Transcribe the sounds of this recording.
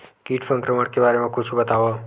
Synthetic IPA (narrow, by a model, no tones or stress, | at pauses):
kiʈsə̃ŋkɾəməɽkebaɾemãkʰut͡ʃʰũbət̪aʋo